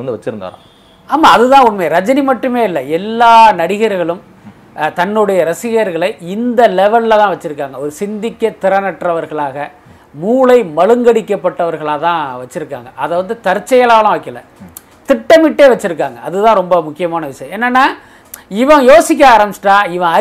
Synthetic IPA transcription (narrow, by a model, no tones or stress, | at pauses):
ɐnd̪ɯʋɐt͡ʃːɯɾɯnd̪a̰ːɾã̰ː | aːmaːɐðɯt̪ãːʊnmɐɾɐd͡ʒɐnimɐʈːɯmeːɪlːɐɛlːaːnɐɽɪɣɐɾɣɐɭɯm | t̪ɐnːɯɽɐjɐɾɐsɪɣɐɾɣɐɭɐɪɪnd̪ɐlɛʋɐɭlt̪ãːʋɐt͡ʃːɪɾɯkːaːŋɡɐɔɾɯsɪnd̪ɪkːɐt̪ːɪɾɐnɐʈrɐʋɐɾɣɐɭaːɣɐ | muːɭɐɪmɐɻɯŋɡɐɽɪkːɐpːɐʈːɐʋɐɾɣɐɭaːt̪ãːʋɐt͡ʃːɪɾɯkːa̰ːŋɡɐʔɐðɛʋɐnd̪ɯt̪ɐɾt͡ʃːɐjɐlaːʋlɐ̃ʋɐkːɪlːɐ̰ | t̪ɪʈːɐmɪʈːeːʋɐt͡ʃːɪɾɯkːaːŋɡɐɐðɯt̪ãːɾɔmbɐmʊkːɪjɐmaːnɐʋɪʂɐjɐ̃mɛːnːɐnːaː | ɪʋɐ̃joːsɪk̬ʲːaːɾɐmsʈaːɪʋɐ̃ɐ